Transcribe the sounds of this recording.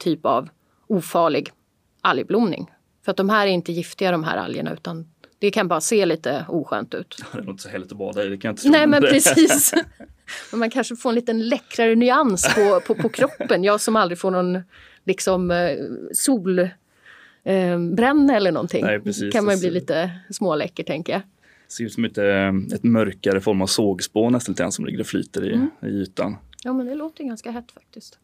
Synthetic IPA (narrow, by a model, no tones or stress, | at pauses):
t̪ʰyːpa̰v | uːfɑːɭɪɡ | ʔaljblʊmnɪ̰ŋ | fœɾat̪̚d̪ɔmɦæːɾæɾɪnt̪əjɪft̪ɪɡad̪ɔmɦæ̰ːɾa̰ljə̰ɳa̰ʉ̟ːt̪and̪̥ɛkʰanbɑːɾaseːliːt̪əuːɧø̰ːnt̪ʉ̟̰ːt̪ɛnɪt̪əsɔhɛlːɪt̪ɔbɑ̰ːd̪aɪd̪ɛkʰajaɪnt̪ə̥nɛːmɛnpʰɾɛsiːs | mɛnmankʰanʂəfoːɾɛnliːt̪ənlɛkːɾaɾənʏanspʰɔpʰɔpʰɔkʰɾɔpːənjɑːsɔmald̪ɾɪɡfoːɳɔn | lɪksɔm | suːl | bɾɛnːɛlːəɳɔ̰nt̪ʰɪ̰ŋnɛpʰɾɛsiːkʰanmanjɵbliːliːt̪əsmoːlɛkːəʈʰɛŋkəja | sɪʉt̪sɔmɪt̪əɛt̪mœɾkaɾəfɔɾmavsoːɡspoːnɛst̪nit̪əɡɾa̰sɔmlɪ̰ɡːəɾɔfly̰ːt̪əɾɪ̰ɪ̰yːt̪a̰njɑːmɛnd̪ɛloːt̪əjɡanskaɦɛt̪ːfḁk̚t̪ɪst̪